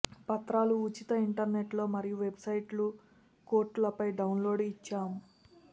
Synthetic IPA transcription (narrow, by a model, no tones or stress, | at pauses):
pɐt̪ɾaːluːt͡ʃit̪ɐiɳʈɐɾne̞ʈlo̞ːmɐɾijuʋe̞bsɐjʈlu | ko̞ːɾʈlɐpɐjɖɐwnlo̞ːɖit͡ʃːaːmu